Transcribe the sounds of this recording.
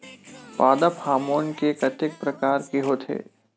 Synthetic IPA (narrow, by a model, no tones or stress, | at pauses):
paːd̪aphaːmoːnkekɐt̪ɪk̚pɾɐkaːɾkeɦot̪ʰḛː